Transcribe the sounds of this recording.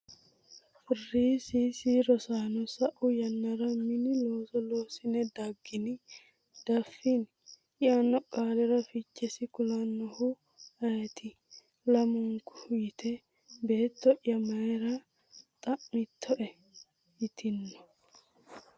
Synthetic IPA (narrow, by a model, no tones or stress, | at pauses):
fɔrːiːsisiɾɔsaːnɔsɐʔʊjɐnːɐɾɐmɪnɪlo̞ːsɔloːsɪnɛd̪ɐɡːɪnɪ | d̪̥ɐfːin | ɪanːɔkʼaːlɛɾɐfɪt͡ʃːɛsɪkʊlɐnːɔhʊ | ɐjɛt̪ʰɪ | lɐmʊŋkʊ̥hʊjɪt̪ʰɛ | be̞ːt̪ːɔʔjɐmɐjɾɐ | t̪ʼɐʔmɪt̪ʰːɔʔɛ | jɪt̪ʰɪnːɔ̥